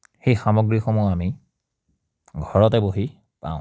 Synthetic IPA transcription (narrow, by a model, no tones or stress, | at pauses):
xejxamɔɡɹixomuami | ɡʱɔɹɔtɛboɦi | pã̰ʊ̃